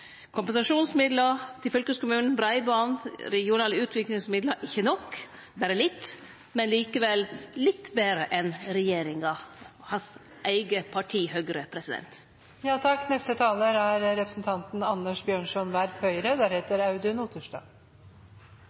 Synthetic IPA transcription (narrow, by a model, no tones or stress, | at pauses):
kʰʊmpɛnsɑʂuːnsmɪd̪lət̪ʰɪlfœlkəskʊmʉːnn̩bɾɑɪbɑnd̪ɾɛɡɪʊnɑːləʉːt̪ʰʋɪklɪŋsmɪd̪ləʔɪçːənɔkː | bæːɾəlɪt̪ː | mɛnliːkəʋɛllɪt̪ːbeːɾəʔɛnɾɛjeːɾɪŋɑhɑns | ʔæɪɡəpʰɑʈʰiːhøɡəɾəpʰɾɛsɪd̪ɛ̰nt̪ | jɑːt̪ʰɑkːnɛst̪ət̪ʰɑːləɾæɾɾɛpɾəsn̩t̪ʰɑnt̪n̩ɑnːəʂbjøːɳʂɔnʋæɾpʰœʏɾəd̪æːɾheːt̪əɾɑʉd̪ʉnuːt̪ʰəʂʈɑ̰ː